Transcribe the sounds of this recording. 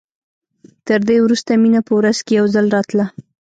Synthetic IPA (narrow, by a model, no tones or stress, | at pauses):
t̪əɾd̪ewɾust̪aminapəwɾazkejawzalɾɑt̪la